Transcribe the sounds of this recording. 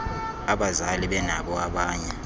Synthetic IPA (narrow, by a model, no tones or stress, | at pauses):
aɓazaliɓɛna̰ɓɔaɓaːɲɛ